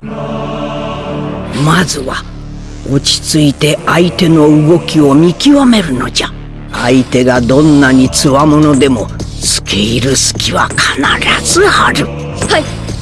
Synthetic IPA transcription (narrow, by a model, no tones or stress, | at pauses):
mazɨβa | o̞t͡ɕi̥t͡sɨit̪e̞ʔait̪e̞no̞ɯɡo̞kʲio̞mʲikʲiβame̞ɾɯ̟no̞d͡ʑa | ait̪e̞ɡad̪õ̞nːaɲ̟it͡sɨβamo̞no̞d̪e̞mo̞t͡sɨ̥kʰeiɾɯ̟sɨ̥kʲiβakʰḁnaɾaz̥ɨhaɾɯ | hai